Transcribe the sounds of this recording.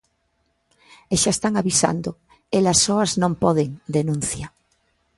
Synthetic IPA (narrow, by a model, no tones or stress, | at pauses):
eʃaest̪aŋaβisa̰nd̪ʊ | elasːɔɐznõmpɔðeŋd̪enũn̟θja